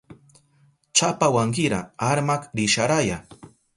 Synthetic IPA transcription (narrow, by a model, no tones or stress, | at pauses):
t͡ʃapawaŋkɪɾa̰aɾmakɾɪʃaɾaja